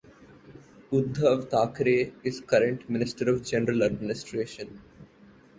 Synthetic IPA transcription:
ʊd̪ʱːəːʋt̪aːkɾeːɪzkʌɾə̃ɳʈmɪnɪsʈəɾɔʋd͡ʒɛnəɾələɖmɪnɪsʈɾeːʃə̃n

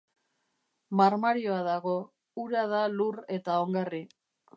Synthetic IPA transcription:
maɾmaɾioaðaɣo̞ | uɾaðalure̞t̪aoŋɡari

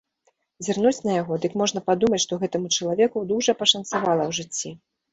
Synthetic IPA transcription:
zʲarnut͡sʲnɐjaɣɔd̪ɨkmɔʐn̪ɐpad̪umɐt͡sʲʂt̪ɔɣɛt̪ɨmut͡ʂɐlˠavʲɛkud̪uʐɐpɐʂɐnt̪savalˠɐwʐɨt͡sʲːi

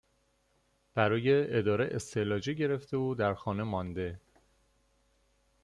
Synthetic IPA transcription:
b̥æɾɒːje̞ed̪ɒːɾeʔḛst̪ʰelɒːd͡ʒeɟe̞ɾe̞ft̪euːd̪æɾxɒːne̞mɒnd̪e̞

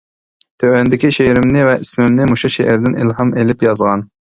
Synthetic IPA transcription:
t̪ʰøwɛnd̪ɪkʲiʃeɾɪmnɪvɛʔismɪmnɪmuʃuʃeʔæɾd̪ɪnʔḭlɦɑmelɪpjɑzʁɑn

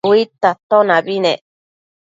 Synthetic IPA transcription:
wit̪at̪onãbinẽ

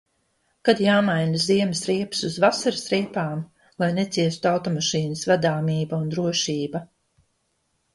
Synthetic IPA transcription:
kad̪jaːmajnaziɛmɪsɾiɛpsuzvasaɾsɾiɛpaːm | lˠajnet̪siɛst̪uawt̪ɔmaʃiːnɐsvæd̪aːmiːbaund̪ɾuɔʃiːbɐ

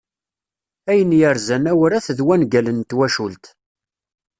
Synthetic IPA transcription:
æjənjəɾzænæwəɾæθðwænɡælənt̪wæʃult̪

